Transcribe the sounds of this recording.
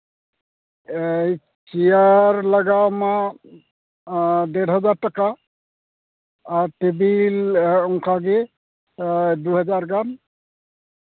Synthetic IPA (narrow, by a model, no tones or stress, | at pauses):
ej | t͡ʃijaɹlaɡawma | dɛɾɦɔzaɹtaka | ɹtebilɔŋkʰaɡi | duɦɛzaɹɡan